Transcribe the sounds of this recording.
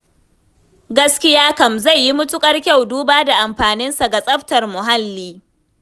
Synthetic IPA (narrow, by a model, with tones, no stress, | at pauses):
ɡɐ˦skʲɪ˦jaː˦kɐ˨mza˦˨jːi˦mʊ˦tʊ˦kʼɐ˦rkʲa˦˨wduː˦baː˦da˨ʔa˨mɸaː˨nɪ˦nsa˨ɡa˨sʼɐ˦ɸtɐ˨rmʊ˨ɦa˦lːiː˦